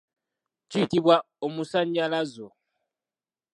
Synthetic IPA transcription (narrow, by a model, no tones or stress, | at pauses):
t͡ʃitiβwa | omusaɲalazo